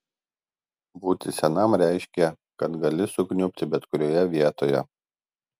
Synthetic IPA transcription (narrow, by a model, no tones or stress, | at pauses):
buːt̪ʲɪsʲɛnɐmɾʲæˑɪʃʲkʲɛ | kɐt̪ɡɐlʲɪsʊknʲʊpʲt̪ʲɪbʲɛt̪kʊɾʲoːjɛʋʲiɛt̪oːjɛ̰